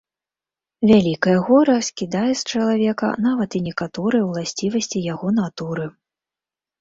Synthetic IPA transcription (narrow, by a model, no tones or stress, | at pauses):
vʲalʲikɐjɐɣɔɾɐsʲkʲid̪ajɛst͡ʂɐlˠavʲɛkɐ̰n̪avɐt̪inʲɛkat̪ɔɾɨjɐwlˠasʲt͡sʲivɐsʲt͡sʲijaɣɔnat̪uɾɨ